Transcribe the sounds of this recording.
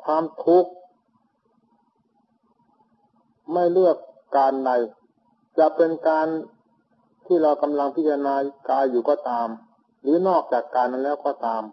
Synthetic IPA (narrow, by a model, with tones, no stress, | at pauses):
kʰwaː˧mt̪ʰu˦˥k̚ | ma˥˩jlɯ˥˩əkː | aː˧nda˧j | t͡ɕa˨˩pe˧nkaː˧n | t̪ʰiː˥˩ɾa˧wka˧mla˧ŋpʰi˦˥t̪ːʰa˧naː˧kaː˧jːuː˨˩kɔː˧˩t̪aː˧m | ɾɯː˨˦˥nɔː˥˩k̚t͡ɕaː˨˩kːaː˧nʔa˧nlɛː˦˥˩wkɔː˧˩t̪aː˧m